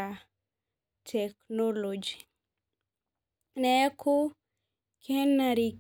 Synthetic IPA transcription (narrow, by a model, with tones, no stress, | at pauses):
a | tʰɛ˨knolod͡ʒi | nɛ˦kʰo˦ | kʰe˦nːa˨ɾi˨k